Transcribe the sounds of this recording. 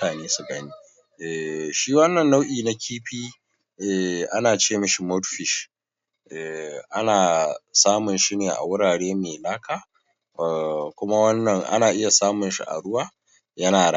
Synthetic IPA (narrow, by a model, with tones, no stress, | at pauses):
aː˨neː˦su˨ɡɐ˦niː˦ | ʔɛ˨ʃiː˦wɐ˦nːɐ˨nːa˦wʔiː˨na˦kʲʰiː˦ɸiː˦ | ʔɛ˨ʔa˦naː˨t͡ʃeː˦mɐ˦ʃi˨mɔ˦tɸɪ˨ʃ | ʔɛ˨ʔa˦naː˨saː˦mʊ˨nʃi˦neː˨ʔa̰˨wʊ˦ɽaː˨ɽeː˦meː˨laː˦kʰaː˨ | kʷʊ˦ma˦wɐ˦nːɐ˨ŋʔa̰˦naː˨ʔɪ˦ja˨saː˦mʊ˨nʃḭ˦ʔa̰˨ɽʊ˦waː˦ | jɐ˦naː˨da˦